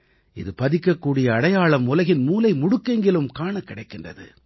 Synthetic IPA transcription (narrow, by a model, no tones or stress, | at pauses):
ɪ̰ðɯpɐðɪkːɐkːuːɽɪjɐːɽɐjaːɭɐmʊlɐɣɪnmuːlɐɪmʊɽʊkːɐŋɡɪɭɯmkaːɳɐkːɪɽɐɪkːɪndrɐ̰ðɯ̰